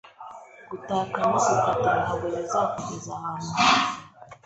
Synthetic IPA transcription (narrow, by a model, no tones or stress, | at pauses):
ɡ̥utaːkamusukatanaβojazakukizahaːne